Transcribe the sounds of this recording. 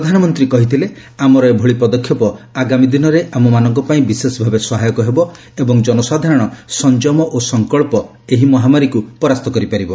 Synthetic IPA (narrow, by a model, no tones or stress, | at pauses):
pɾɔd̪ʱanɔmɔnt̪ɾikɔɦit̪ʰile | amɔɾɔebʱoɭipɔd̪ɔkʰjɔpɔaɡamid̪inɔɾeʔamɔmanɔŋkɔpaĩbisesɔbʱabesɔɦajɔkɔɦebɔ | ebɔŋd͡ʒɔnɔsad̪ʱaɾɔɽ̃ɔsɔnd͡ʒɔmɔʔosɔŋkɔɭpɔ | eɦimɔɦamaɾikupɔɾast̪ɔkɔɾipaɾibɔ